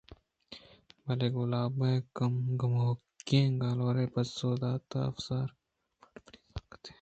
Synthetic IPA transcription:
bɐleːɡʊlaːbẽkɐmɡɐmokːẽːɡãːloːɾeːpɐsoːd̪aːt̪a̰ɐfsaːɾ | kt̪e̥

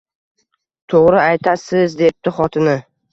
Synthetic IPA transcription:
t̪ʰoʁɾɪajt̪ʰasɪzd̪ep̚t̪ɪχɒt̪ʰɪnɪ

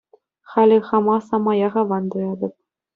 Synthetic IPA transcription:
χɑlʲɘ̆χɑmɑsɑmɑjɑʁɑʋɑnd̪ɤjɑd̪ɤ̆p̚

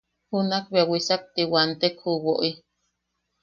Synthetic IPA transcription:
hunakbeawisak̚t̪iwant̪ekhuwoʔi

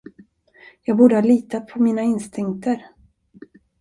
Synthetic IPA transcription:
jɑːɡ̚buːɖəhɑːliːt̪at̪̚pʰɔmiːnaɪnst̪ɪŋkt̪əɾ

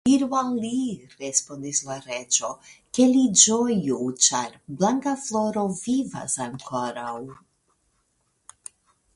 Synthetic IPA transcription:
iɾualiɾespo̞nd̪islaɾe̞t͡ʃo̞kelid͡ʒojut͡ʃaɾblaŋkaflo̞ɾo̞viva̰saŋkʰoɾaw

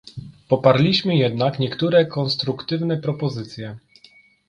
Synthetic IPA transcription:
pɔpaɾlʲiɕmɘjɛd̪nakɲɛkt̪uɾɛkɔnst̪ɾukt̪ɘvnɛpɾɔpɔzɘt̪sʲjɛ

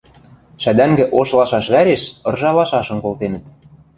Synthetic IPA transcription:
ʃæd̪æŋɡɘ̆ʔoʃlɑʃɑʃβæɾeʃɤ̆rʒɑlɑʃɑʃɤ̆mkolt̪enə̆t̪̚

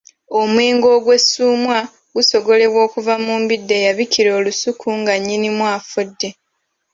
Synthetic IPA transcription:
o̞mweːŋɡo̞ːɡwe̞suːmwa | ɡuso̞ɡo̞le̞βwo̞ːkuvamuːmbidːe̞jaβiciɾo̞ːlusukʰuŋɡaɲːinimwaːfudːe̞

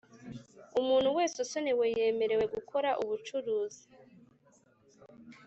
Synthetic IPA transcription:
umuːnhuwe̞ːsusoneweje̞ːme̞ɾe̞we̞ɡuko̞ɾaʔuβut͡ʃuɾuːzi

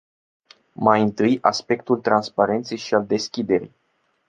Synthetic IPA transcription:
majɨnt̪ɨjaspe̞k̚t̪ult̪ɾanspaɾe̞nt̪sejʃiald̪e̞skʲid̪e̞ɾḭ

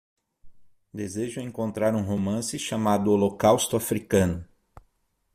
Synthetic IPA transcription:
d̪ezeʒʊẽŋkõnt̪ɾaɾũɦomɐ̃sɪʃamad̪ʊolokawst̪ʊafɾikɐ̃nʊ

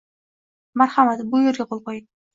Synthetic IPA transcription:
maɾhamat̪bʊjoɾɡʲaqʰolˠqojɪ

